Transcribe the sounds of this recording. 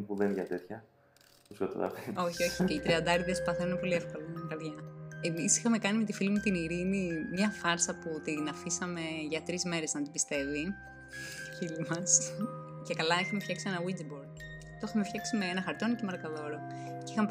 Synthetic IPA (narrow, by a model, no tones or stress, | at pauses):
puðenʝɐt̪et̪çɐ | iskot̪o̰t̪ɐ̰peo̞çio̞çiceit̪ɾiɐnd̪ɐɾiðespɐθenunepo̞liefko̞lɐnɐɡɐɾðʝɐe̞misi̥xɐme̞kɐnime̞t̪ifilimut̪iniɾinimɲɐfɐɾsɐput̪inɐfisɐme̞ʝɐt̪ɾizme̞ɾe̞znɐt̪ibist̪e̞vi | filimɐs | ce̞kɐlɐixɐmefçɐksie̞nɐwid͡ziboɾ | t̪o̞ixɐmefçɐksimeenɐxɐɾt̪o̞nicemɐɾɐkɐðo̞ɾoceixɐm